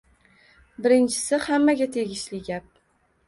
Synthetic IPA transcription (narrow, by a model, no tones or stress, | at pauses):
bɪɾɪnt͡ʃʰɪ̥sɪhamːaɡʲat̪ʰeɡʲɪʃlɪɡʲap̚